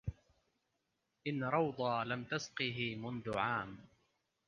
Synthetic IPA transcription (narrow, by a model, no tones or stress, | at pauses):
ʔɪnɾˤɑwd̪ˤɑːlamt̪asqɨɦɪmʊnðʊʕaːm